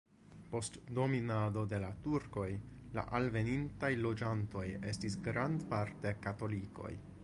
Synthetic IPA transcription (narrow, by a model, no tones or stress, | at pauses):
po̞stdo̞minado̞de̞latuɾko̞j | la̰ʔalve̞nintajlo̞d͡ʒanto̞je̞stisɡɾandpaɾte̞kato̞liko̞̰j